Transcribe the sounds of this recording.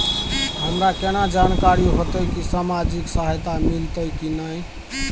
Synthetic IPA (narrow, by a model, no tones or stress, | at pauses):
ɦəmɾakenad͡ʒankaɾiɦot̪əjkisamad͡ʒiksaɦjt̪amilt̪əjkinəj